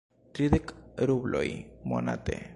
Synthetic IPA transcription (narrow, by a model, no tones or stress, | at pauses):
t̪ɾiðekɾuβlʔo̰jmona̰t̪ḛ